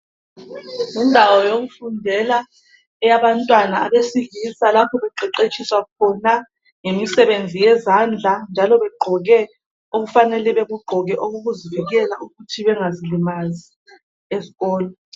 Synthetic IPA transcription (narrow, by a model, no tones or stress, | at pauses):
indʱawɔjoɣufundʱɛla | ɛjaβantʼwanaaβesiɣisalapʰɔβɛǃɛǃet͡ʃʰʼiswakʰɔna | ŋemisɛβend͡zʱijɛzand͡ɮʱand͡ʒʱalɔβɛɡ͡ǃʱɔɣɛ | oɣufanɛlɛβɛɣuɡ͡ǃʱɔɣɛʔoɣuɣuziviɣɛlauɣutʰiβɛŋazilimazi | eziɣɔːlɔ